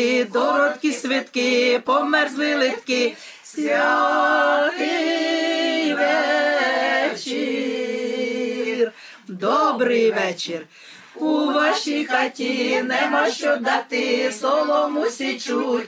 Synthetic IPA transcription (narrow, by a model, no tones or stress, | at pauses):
d̪ɔɾɔt̪kisʲʋɪt̪kɪpɔmɛɾzlɪlˠɪt̪kɪ | sjʲa | ki | jʋɛ | t͡ʃi | r | d̪ɔbɾɪjʋɛt͡ʃir | puʋaʃixatʲinɛmaʃt͡ʃɔd̪at̪ɪsɔʋɔmusʲit͡ʃutʲ